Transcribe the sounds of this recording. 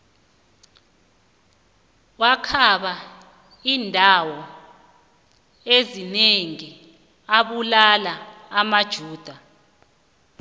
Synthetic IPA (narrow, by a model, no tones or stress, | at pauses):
wakʰaɓa | iːndʱawɔ | ezineŋi | aɓulalaːmad̥ʒ̥ʱuːd̥ʱa